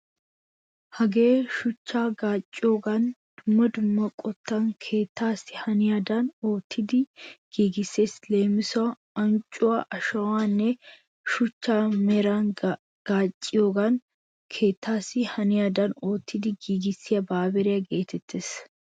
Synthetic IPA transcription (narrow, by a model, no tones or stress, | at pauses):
hɐɡe̞ːʃʊt͡ʃːaːɡaːt͡ʃʼːɪjoːɡand̪̥ʊmːɐd̪ʊmːɐkʼɔt̪ːaːŋkʰe̞ːt̪ːaːsɪ̥hɐnɪjaːd̪ano̞ːt̪ʰːɪd̪ɪɡ̥iːɡɪsːeːsleːmːɪsʊɐ | ɐnt͡ʃʼʊwaʔɐʃɐwaːnːɛ | ʃʊt͡ʃːaːmɛɾaːn | ɡ̥aːt͡ʃʼːɪjoːɡan | kʰe̞ːt̪ːaːsɪhɐnɪjaːd̪ɐnoːt̪ːɪd̪ɪɡiːɡɪsːɪjɐbaːbɛɾɪɐɡe̞ːt̪ʰɛt̪ʰːeːs